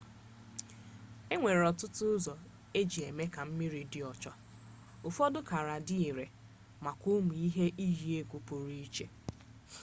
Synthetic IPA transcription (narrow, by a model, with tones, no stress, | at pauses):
e˦ŋʷe˨ɾe˨ɔ˨tʊ˦tʊ˦ʊ˦zɔ˨ | e˦d͡ʒi˨e˨me˦ka˨m̩˦mɪ˦ɾi˨dɪ˦˨ɔ˨t͡ʃɔ˦ | o˨fɔ˦dʊ˦ka˨ɾa˨dɪ˦i˨ɾe˨ | ma˨kʷʊ˦mu˨i˦ɦe˦ʔi˦ɦi˦e˦ɡʷu˨pʊ˨ɾi˦i˦t͡ʃe˦